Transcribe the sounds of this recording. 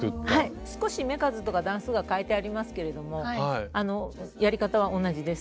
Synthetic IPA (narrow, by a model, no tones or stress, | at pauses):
hai | sɨ̥ko̞ɕime̞kazɨt̪o̞kad̪ãɰ̃sɨɡakaet̪e̞aɾʲimasɨ̥ke̞ɾe̞d̪o̞mo̞ano̞jaɾʲikat̪aβ̞aʔo̞nːaʑid̪e̞sɨ̥